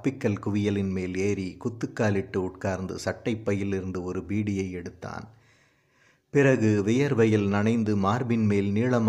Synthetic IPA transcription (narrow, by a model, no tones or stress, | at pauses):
pːɪkːɐlkʊʋɪjɐlɪnmeːleːɾikʊt̪ːɯkːaːlɪʈːɯʊʈkaːɾnd̪ɯ̰sɐʈːɐɪpːɐjɪlɪɾɯnd̪ɯɔɾɯbiːɽɪjɐɪɛɽɯt̪ːa̰ːn | pɪrɐɣɯʋɪjɐɾʋɐjɪlnɐɳɐɪnd̪ɯmaːɾbɪnmeːlniːɭɐm